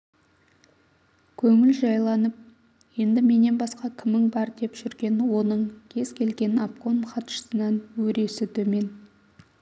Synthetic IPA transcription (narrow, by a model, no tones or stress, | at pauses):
kʲʰɵŋɪlʒɑjlˠɑnəp̚ | je̞nd̪ɪme̞ne̞nbɑsqɑkʲʰɪmːɪŋbɑɾd̪e̞pʒ̥ʏɾɡʲe̞nwo̞nəɴkʲʰe̞z̥kʲʰe̞lɡʲe̞napko̞nχɑt̪ʃə̥sənɑnwɵɾe̞sɪt̪ʰɵme̞n